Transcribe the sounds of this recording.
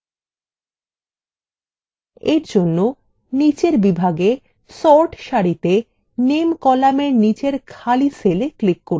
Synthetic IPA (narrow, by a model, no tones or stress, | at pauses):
eɾd͡ʑonːo | nit͡ɕeɾbibʱaɡe | sɔɾʈʃaɾit̪e | nemkɔlameɾnit͡ɕeɾkʰaliseleklikːoɾ